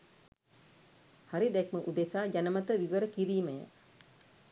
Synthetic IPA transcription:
haɾid̪ɛkməʔud̪esaːɟanəmət̪əʋiʋəɾəkiɾiːməjə̰

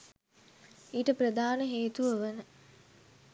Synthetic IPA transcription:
iːʈəprəd̪aːnəɦeːt̪uʋəʋənə

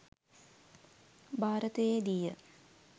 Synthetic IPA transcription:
bʱaːɾət̪əjed̪ijə

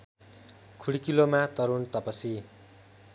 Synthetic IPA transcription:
kʰuɽikilomat̪ʌɾunt̪ʌpʌsi

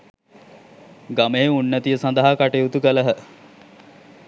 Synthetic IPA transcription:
ɡameeunːət̪ijəsand̪əɦakaʈeut̪ukələɦə

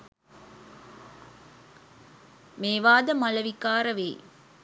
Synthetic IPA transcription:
meːʋaːd̪ɐmɐlɐʋikaːɾɐʋḛː

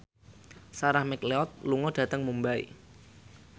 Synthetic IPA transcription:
saɾahmɛkleɔt̪̚luŋɔɖ̥ä̤t̪əŋmumbaḭ

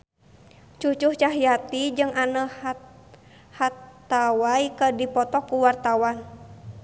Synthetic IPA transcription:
t͡ʃut͡ʃuht͡ʃaɦjat̪id͡ʒɨŋʔanə | hat̪awaikədipɔt̪ɔkːuwart̪awan

